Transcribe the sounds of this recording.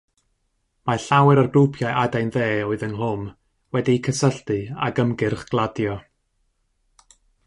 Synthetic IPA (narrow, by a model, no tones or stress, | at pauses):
maɬawɛɾarɡrupʰjaɨʔadajnðeːɔɨðənlʊm | wɛdikʰəsəɬtɨa̰ɡəmɡɪrχɡ̥lˠadjɔ